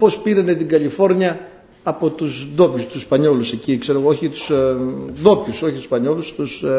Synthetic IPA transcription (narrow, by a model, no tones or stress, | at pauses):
po̞spiɾɐne̞t̪iɡɐlifo̞ɾɲɐː | po̞t̪uzðo̞pçust̪uspɐɲo̞luse̞cikse̞ɾo̞ɣooçit̪u̥sðo̞pçuso̞çit̪u̥spɐɲo̞lust̪us